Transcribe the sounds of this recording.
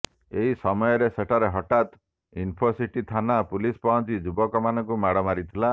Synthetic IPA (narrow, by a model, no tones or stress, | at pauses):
eɦisɔmɔjɔɾeseʈʰaɾeɦɔʈat̪ | inpʰɔsiʈit̪ʰanapulispaɦɔ̃nt͡ʃid͡ʒubɔkɔmanɔ̃ŋkumaɽɔmaɾit̪ʰila